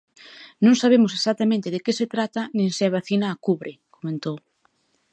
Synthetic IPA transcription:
nõŋsaβ̞emʊs̬esat̪amẽnt̪eðekeset̪ɾat̪ɐnẽŋseaβaθinaːkuβɾɪkomẽnt̪ow

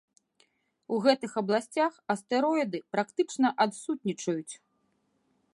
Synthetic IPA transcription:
uɣɛt̪ɨxɐblˠasʲt͡sʲaxɐst̪ɛɾɔjd̪ɨpɾakt̪ɨt͡ʂnɐʔat̪sut̪̚ʲnʲit͡ʂɐjut͡sʲ

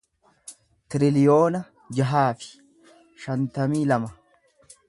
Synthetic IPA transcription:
t̪ɪɾɪlɪjo̞ːnɐ | d͡ʒɐɦaːfɪ̥ | ʃɐnt̪ɐmiːlɐmɐ

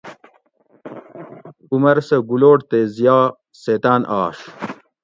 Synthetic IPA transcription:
umɐɾsɐɡuloːʈt̪ezijaː | seːt̪aːnʔaːʂ

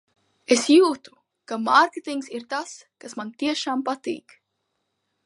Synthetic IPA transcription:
esjuːt̪u̥ | kamaɾket̪iŋksiɾt̪as | kasmant̪iɛʃaːmpat̪ḭːk

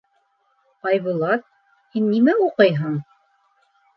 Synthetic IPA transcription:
ɑjβulˠɑt̪̚ | hinːimæuqɤjɦɤɴ

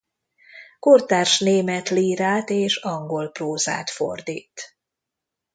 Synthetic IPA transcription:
kort̪aːrʃneːmɛt̪liːɾaːt̪eːʃɒŋɡo̞lproːza̰ːt̪fo̰rd̪ḭːt̪

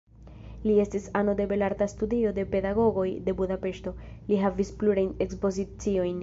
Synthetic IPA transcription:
lie̞stisano̞de̞be̞laɾt̪astudio̞de̞pe̞daɡo̞ɡo̞jde̞budape̞ʃto̞liɦavispluɾajne̞kspo̞zit͡sio̞jn

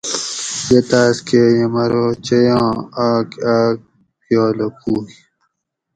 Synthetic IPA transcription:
jet̪aːskejemɐɾot͡ɕɐjɑ̃ːaːkaːk̚ | joːlokuː

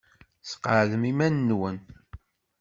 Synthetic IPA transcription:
sə̥qəʕðəmimænːwən

